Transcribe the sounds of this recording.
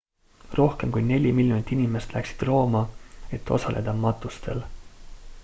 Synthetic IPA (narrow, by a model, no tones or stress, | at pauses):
ro̞hke̞mkujne̞lʲimiljonit̪ːˑinʲime̞st̪læksi̥d̪̥ro̞ːmɑe̞t̪ːˑo̞̰sɑlʔe̞̰d̪ɑmɑt̪ːˑust̪ʰe̞̰l